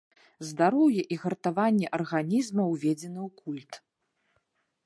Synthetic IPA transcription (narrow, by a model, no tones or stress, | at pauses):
zd̪aɾɔwjɛʔiɣɐrt̪avanʲːɛʔɐrɣanʲizmɐwvʲɛd͡zʲɛnɐwkulʲt̪